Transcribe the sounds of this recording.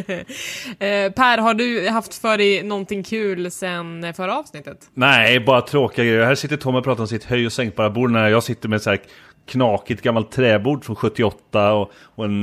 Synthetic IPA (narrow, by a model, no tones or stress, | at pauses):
pʰæːɾɦaɖɵɦaft̪fœːɖɛnɔnt̪ɪŋːkʰʉ̟ːlsɛnfœɾaɑːvsnɪt̪ːət̪næbɑːɾat̪ʰɾoːkɪɡaɡɾɛjːəhæːʂɪt̪ːəʈʰɔmːəɾpʰɾɑːt̪aɾɔmsɪt̪hœjɔsɛŋk̪̚bɑɾabuːɖnæɾjɑːɡsɪt̪ːəɾmɛt̪sæːɾ | kʰnɑːkɪt̪ɡamːalt̪ʰːɾɛːbuːɖfɔnɧɵt̪ːɪɔt̪ːaɔ | ɔɛn